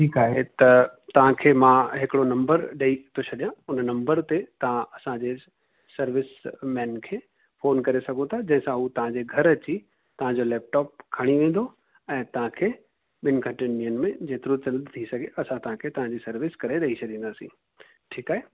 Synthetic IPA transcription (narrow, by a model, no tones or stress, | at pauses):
ʈʰiːkaːɦet̪ɐt̪ɐʋ̤ãkʰeːmãɦɪkɪɽonɐ̃mbəɾɗeit̪ʰoɕʰɐɗijãʊnnɐ̃mbəɾt̪et̪ɐʋ̤ãʔɐsãd͡ʑe | sɐɾʋɪsmɛ̃ːnkʰeː | foːnkɐɾesɐɡʱot̪ʰad͡ʑɐ̃ɦɪ̃sãɦuːt̪ɐʋ̤ãd͡ʑeɡʱɐɾɐt͡ɕi | t̪ɐʋ̤ãɲd͡ʑolɛːp̚ʈɔːp̚kʰaɽ̃iʋẽːn̆d̪o | ɛ̃ːt̪ɐʋ̤ãkʰeː | ɓɪnkʰɐ̃ʈɪnijənmẽd͡ʑeːt̪ɪɾot͡ɕɐld̪t̪ʰisɐɡʱeʔɐsãt̪ɐɦãkʰet̪ɐʋ̤ãɲd͡ʑisɐɾʋɪskɐɾeɾɐɦit͡ɕʰɐɗĩːn̆d̪aːsĩː | ʈʰiːkaːɦe